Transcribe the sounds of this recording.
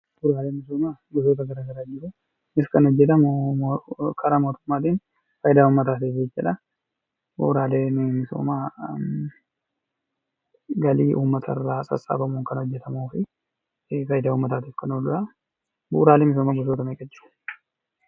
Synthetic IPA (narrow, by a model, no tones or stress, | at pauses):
b̥uːɾaːleːmɪs̬oːmaːɡʊs̬o̞ːt̪ɐɡɐɾaːɡɐɾaːd͡ʒɪɾʊ | ɪskɐnɔd͡ʒːɛt̪̬ɐmo | kʰɐɾaːmoːt̪ʊmːaːt̪iːn | fɐjd̪aːuːmːɐt̪aːt̪iːfet͡ʃːɐᶑɐ | bṵːɾaːleːnmɪso̰ːmaː | ɡɐliːʔuːmːɐt̪ʰɐrːaːsʼɐ̰sʼa̰ːbɐmuːŋkɐnɔd͡ʒːɛt̪ɐmoːfɪ | fɐjɪd̪aːuːmːɐt̪aːt̪iːfkɐnod̪ʊɾɐ | bṵːɾaːleːmɪs̬oːmaːɡʊs̬oːt̪ɐmekʼɐd͡ʒːɪɾʊ̥